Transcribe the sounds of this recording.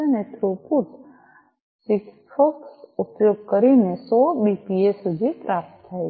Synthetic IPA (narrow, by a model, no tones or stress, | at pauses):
net̪ʰɾuput | sɪkspʰɔksʊpjoːɡ̚kəɾinesɔbipiesud̪ʱipɾaːp̚t̪kʰae